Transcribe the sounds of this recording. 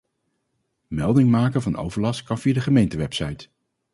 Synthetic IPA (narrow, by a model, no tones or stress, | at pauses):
mɛlˠdɪŋmaːkəvɑno̰wvəɹlɑskɑnfiːədəχəmejntəʋɛpsɑjt